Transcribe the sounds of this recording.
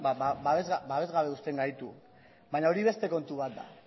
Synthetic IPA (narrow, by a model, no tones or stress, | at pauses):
aabaβezɣabaβe̞zɣaβe̞ust̪e̞ŋɡajt̪u | baɲao̞ɾiβ̞e̞st̪e̞ko̞nt̪uβat̪̚d̪a̰